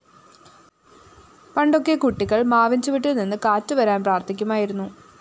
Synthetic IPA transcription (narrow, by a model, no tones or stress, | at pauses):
pɐɳɖo̞kːekuʈːiɣɐɭmaːʋɐɲd͡ʑuʋiʈːɨninːɨkaːtːɨʋɐɾaːnpraːrt̪ʰikʲːumaːjiɾunːu